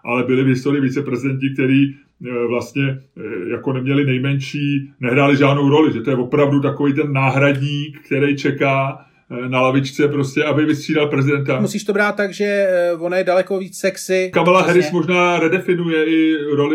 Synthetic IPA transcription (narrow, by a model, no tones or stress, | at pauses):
ʔalɛbɪlɪvɦɪst̪o̞ɾɪjɪvit͡sɛpɾɛzɪdɛnt̪ɪk̚t̪ɛɾiː | vlast̪ɲɛjako̞nɛmɲɛlɪnɛjmɛnʃiːnɛɦɾaːlɪʒaːdno̞wɾo̞lɪʒɛt̪o̞jɛvo̞pɾavdut̪̬ako̞viːjt̪̬ɛnːaːɦɾadɲiːkkt̪ɛɾɛjt͡ʃɛkaː | nalavɪt͡ʃt͡sɛpɾo̞scɛabɪvɪst̪r̥iːdalpɾɛzɪdɛnt̪amusiːʃt̪obɾaːt̪̚ːaɡʒɛvonajɛdalɛkoviːt͡ssɛksɪkamɛlaɦɛɾɪsmo̞ʒnaːɾɛdɛfɪnujɛɪɾo̞lɪ